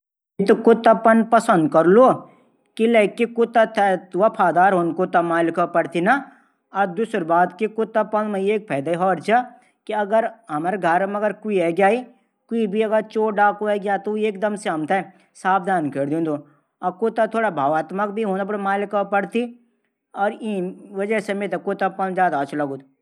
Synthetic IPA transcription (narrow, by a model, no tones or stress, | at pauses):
t̪okʊt̪ːapɐnpɐsənd̪kɐɾloː | kilekikʊt̪at̪ʰɛt̪ʋapʰaːd̪aːɾɦoːnkʊt̪ːɐmaːlɪkapɐɽt̪inɐ | ɐd̪usɾbaːd̪kikʊt̪ːapɐnmẽjeːk̚pʰɛːd̪aːiɦɔːɾt͡ʃɐ | kiɐɡəɾɐmaɾɡʱɐɾmɐɡəɾkuiɛɡjaːi | kuibʱiɐɡəɾt͡ʃoːɖaːkoɛɡjaːt̪oeːkd̪ɐmseɐmt̪ɛ | saːp̚d̪ʱaːnkeɾd̪ĩːnd̪o | ɐkʊt̪ːat̪ʰoːɽabʱaːʋaːt̪mək̚bʱiɦoːnap̬ɐɽmaːlɪkapɐɽt̪i | ɔːɾiʋɐd͡ʒəsɐmet̪ekʊt̪ːapɐnd͡ʒaːd̪aːt͡ʃlɐɡuːt̪